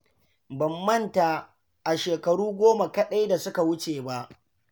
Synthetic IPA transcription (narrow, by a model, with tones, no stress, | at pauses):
bɐ˨mːɐ˦nta˨ | ʔa˨ʃeː˨kɐ˨ɽuː˦ɡʷoː˦ma˨kɐ˦ɗa˦jda˨sʊ˦ka˨wʊ˦t͡ʃeː˨ba˦ʔ